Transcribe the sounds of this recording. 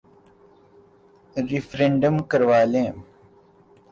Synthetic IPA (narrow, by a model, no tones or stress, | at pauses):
ɾifɾẽɳɖəmkəɾʋaːlẽːm